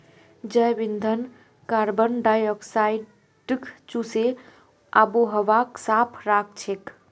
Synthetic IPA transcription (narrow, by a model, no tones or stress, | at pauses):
d͡ʒəjbind̪ʱən | kaɾbənɖajɔksai | ɖkʰt͡ʃuse | a̰boɦəʋaksapʰɾak̚ʰt͡ʃʰek